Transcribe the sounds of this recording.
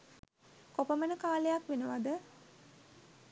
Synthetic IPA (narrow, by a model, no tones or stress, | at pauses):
kopəmənəkaːlejakʋenəʋad̪ə